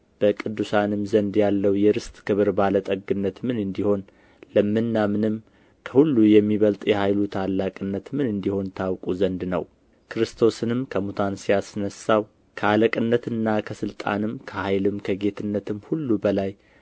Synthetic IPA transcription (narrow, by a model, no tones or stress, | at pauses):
b̥əkʼɨd̪ːusanɨmzənd̪jalːəwjɛɾɨst̪ʼkʰɨβɨɾbalət̪ʼəɡɨnːət̪mɨnɨnd̪iho̞n | ləmːɨnːamɨnɨm | kʰəhulːujɛmːiβəlt̪ʼjɛhajlut̪ʰalːakʼɨnːət̪mɨnɨnd̪iho̞nt̪ʰawkʼuzənd̪nə̰w | kʰɨɾɨst̪ʰo̞sɨnɨmkʰəmut̪ʰansijasɨnəsːaw | kʰəaləkʼɨnːət̪ɨnːakʰəsɨlt̪ʼa̰nɨmkʰəhajlɨmkʰəɡe̞t̪ʰɨnːət̪ʰɨmhulːubəlaj